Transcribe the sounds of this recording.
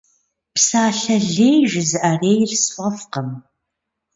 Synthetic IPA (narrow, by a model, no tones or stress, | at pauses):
psaːɬɐɮeːjʒɪzɨʔareːjɪɬsχʷɐfqəm